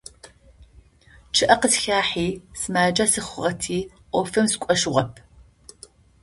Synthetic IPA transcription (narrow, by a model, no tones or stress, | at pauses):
t͡ʃʰɨʔɐqəsxaːħiːsɨmaːd͡ʒɐsɨχʷʊʁɐtʰiː | ʔʷɔfɨmskʷʼɔʃʁɐp̚ʰ